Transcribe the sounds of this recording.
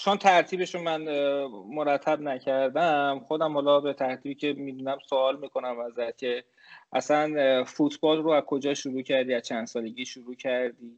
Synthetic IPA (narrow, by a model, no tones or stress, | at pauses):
t͡ʃʰont̪ʰæɾt̪ʰiːbe̞ʃunmænmoɾæt̪ʰːæbnæcʰæɾd̪æmxod̪æmhɒlɒːbet̪ʰæɾt̪ʰiːbicʲʰe̞miːd̪unæmsoɒːlmiːkʰo̞næmæzæt̪cʰe̞ | ʔæsænfut̪ʰb̥ɒːlroæzkʰo̞d͡ʒɒːʃuɾuːcʰæɾd̪iːæzt͡ʃʰænd̪̥sɒːle̞ɟʲiːʃuɾuːcʰæɾd̪iː